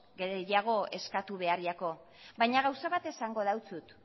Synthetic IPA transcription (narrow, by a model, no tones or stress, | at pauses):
ɡejaɣ̞o̞e̞skat̪uβ̞e̞ariako̞ | bajɲaɣawsaβat̪e̞saŋɡo̞ðawt͡sut̪